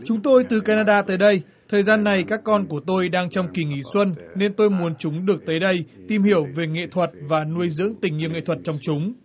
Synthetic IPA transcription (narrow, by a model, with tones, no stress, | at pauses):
t͡ɕʊ˨˦ŋ͡mt̪o˧jt̪ɨ˨˩kaː˧naː˧ɗaː˧t̪əː˨˦jɗə˧j | t̪ʰəː˨˩jzaː˧nːa˨˩jkaː˦˥kːɔ˧nku˧˩ət̪o˧jɗaː˧ŋt͡ɕɔ˧wŋ͡mki˧˩ŋi˧˩˦swə˧nːe˧nt̪o˧jmu˨˦ənt͡ɕʊ˨˦ŋ͡mɗɨ˨˩ək̚t̪əː˨˦jɗə˧jt̪i˨˧˩mhi˧˩əwve˨˩ŋḛ˧˨t̪ʰwə˨˩t̚vaː˨˩nu˧əjzɨ̰˧˥əŋt̪ï˧˩ŋ̟ɲi˧˨wŋḛ˧˨t̪ʰə˨˩t̚t͡ɕɔ˧wŋ͡mt͡ɕʊ˨˦ŋ͡m